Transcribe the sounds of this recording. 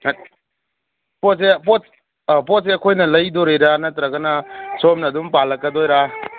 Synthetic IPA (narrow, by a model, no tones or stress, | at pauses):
pɔt̚sepɔ | pɔt̚seɐkʰojnɐlɐjdoɾeɾanɐt̪ɾɐɡɐnɐsomnɐːdumpalɐk̚ːɐdɔjɾa